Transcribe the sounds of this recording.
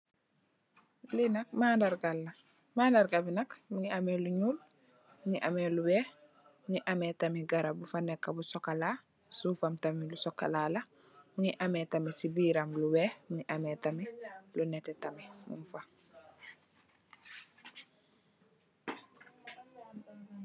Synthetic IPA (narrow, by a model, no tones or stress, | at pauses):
linɐk̚mandaɾɡalːɐ | maːndaɾɡabinɐkmuŋiamɛluɲuːl | muŋiʔamɛːluwɛːh | muŋiʔamɛːtamiɡaɾabufanɛkːabusɔkːalaː | suːfamtamilusɔkːa̰laːlɐ | muŋiʔamɛːtɐmisibiːɾamluwɛːmuŋiʔamɛtamilunɛtɛtɐmimṵmfa